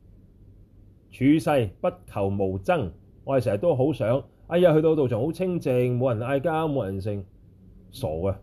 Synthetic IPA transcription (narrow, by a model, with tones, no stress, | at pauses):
t͡ʃʰyː˨˧sɐ˧jpɐ˥t̚kʰɐ˨˩wmo˨˩wt͡sɐ˥ŋ | ŋːɔ˧˥˨sɛː˨˩˨t̪̬o˥ɦo˨˥wsœː˨˥ŋaː˧ja˧hɵ˧t̪̬o˧t̪o˨wt͡sʊ˨˩ŋho˨˥wt͡sʰɪ˥ŋt͡sɪ˨ŋmo˨˧wjɐ˨˩naː˧jkaː˥mo˨˧wjɐ˨˩ns̬ɪ˨˩ŋ | sɔ̰ː˨˩kɐ˧